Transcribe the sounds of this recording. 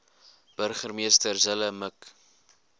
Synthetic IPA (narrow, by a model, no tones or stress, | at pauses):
b̥ərχərmiəstərzələmək